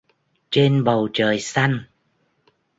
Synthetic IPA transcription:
t͡ɕe˧nɓə˨˩wt͡ɕəː˨˩jsa˧jŋ

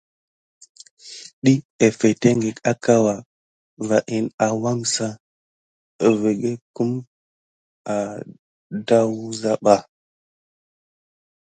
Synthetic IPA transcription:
ɗi˦e˨fe˨te˦ŋɡe˨ka˦ka˦wa˨ | va˨ʔi˨na˨wa˦ŋsa˦˨ | ve˨ɡe˦ku˦m | a˨ | da˦wu˦za˦ɓa˦

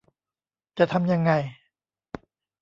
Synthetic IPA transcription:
t͡ɕa˨t̪ʰa˧mja˧ŋːa˧j

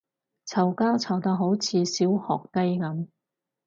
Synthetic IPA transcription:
t͡sʰɐ˨˩wkaː˥wt͡sʰɐ˨˩wt̪ɐ˧ɦo˨˥wt͡sʰiː˨˧siː˨˥whɔ̰ː˨k̚t̪ɐ˥jkɐ˨˥m

